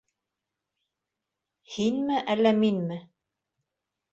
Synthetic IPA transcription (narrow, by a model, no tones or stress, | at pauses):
hinmɘʔælːæminmɘ